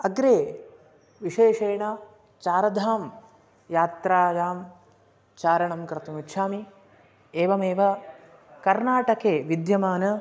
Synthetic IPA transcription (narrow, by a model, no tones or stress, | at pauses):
ɐɡɾeː | ʋiʂeːʂeːɳɐ | t͡ʃaːɾɐd̪ʱaːm | jaːt̪ɾaːjaːm | t͡ʃaːɾɐɳɐmkɾɨt̪ɐmitːʃʰaːmi | eːʋɐmeːʋɐ | kɐɾnaːʈɐkeːʋid̪jɐmaːnɐ